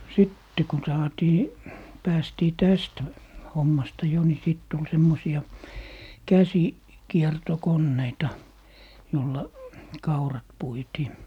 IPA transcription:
sitːe kun sɑːtiː pæːstiː tæst homːɑstɑ jo ni sit tul semːosiɑ kæsi kiertokonːeitɑ jolːɑ kɑurɑt puitiː

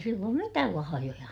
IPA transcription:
silːoːm mitæːl lɑhɑjojɑ

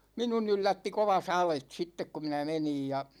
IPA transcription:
minun ylːætːi koʋɑ sɑlet sitːek ku minæ menij jɑ

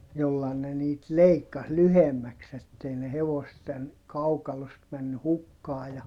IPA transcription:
jolːɑ ne niːt leikːɑs lyhemːæks etːei ne heʋosten kɑukɑlost mænːy hukːɑː jɑ

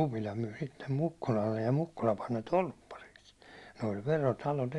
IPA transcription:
upilɑ myi sitːem mukːulɑlːej jɑ mukːulɑ pɑn ne tolpːɑriks ne olʲ ʋerotɑlot

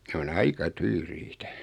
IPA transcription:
ne on ɑikɑ tyːriːtæ

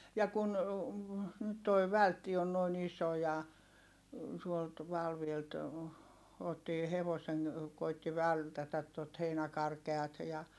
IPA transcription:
jɑ kun nyt toi ʋæltːi on noin iso jɑ tuolt ʋɑlʋielt otːiː heʋoseŋ koitːi ʋæltætæt tot heinækɑrkeɑt jɑ

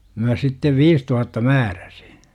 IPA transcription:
mæ sitːeʋ ʋiːs tuhɑtːɑ mæːræ̥si̥

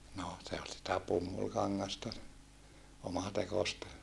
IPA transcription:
no se ol sitæ pumːulkɑŋːɑstɑ omɑtekostɑ

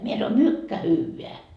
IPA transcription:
mie sɑno mykːæ hyːʋeæ

